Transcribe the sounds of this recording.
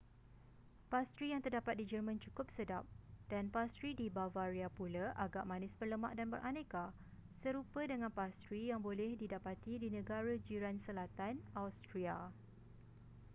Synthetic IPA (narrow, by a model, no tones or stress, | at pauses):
past̪ɾijaŋt̪ərdapat̪̚did͡ʒərmãnt͡ʃukʊp̚sədap̚d̥anpast̪ɾidibavaɾiapulaʔaɡaʔmãnɪsbərləma̰ʔdanbə̰ɾʔanẽka | səɾupədəŋãnpast̪ɾijaŋbolɛhdidapat̪idinə̃ɡaɾad͡ʒiɾansəlat̪anawst̪ɾia